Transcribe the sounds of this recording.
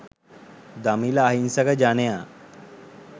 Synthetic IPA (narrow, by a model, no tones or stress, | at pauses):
d̪amilaːɦinsaɡad͡ʑanja